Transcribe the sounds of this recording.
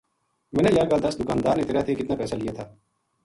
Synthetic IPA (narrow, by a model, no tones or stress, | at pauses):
mɛːnejaɡald̪ɐsd̪ʊkaːnd̪aːɾnet̪eːɾat̪ʰekɪt̪naːpɛːsalɪjet̪ʰaː